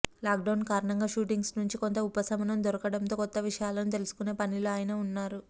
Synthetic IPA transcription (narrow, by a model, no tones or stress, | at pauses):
laːkɖɐwnkaːɾɐɳɐŋɡaːʃuːʈiŋɡsnuɲt͡ʃikont̪ɐupɐsɐmɐnɐmd̪ɔɾɐkɐɽɐnt̪o̞ːkɔt̪ːɐʋiʂɐjaːlɐnut̪e̞lusu̥kune̞ːpɐniloːaːjɐnɐunːaːɾu